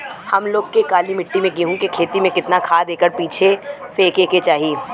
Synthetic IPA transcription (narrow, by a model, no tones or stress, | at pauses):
hɐmloːɡkekaːlimɪʈːimẽɡiɦũkekʰeːt̪imẽkɪt̪nakʰaːd̪eːkəɾpiːt͡ʃʰefeːkeːket͡ʃaːɦieː